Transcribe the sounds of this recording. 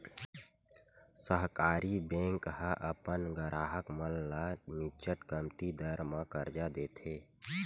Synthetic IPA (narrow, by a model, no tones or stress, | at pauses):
səɦkaːɾibẽːŋkhəʔəpənɡəɾʔaːɦəkməllamɪt͡ʃəʈkəmt̪id̪əɾmãkəɾd͡ʒad̪eːt̪ʰeː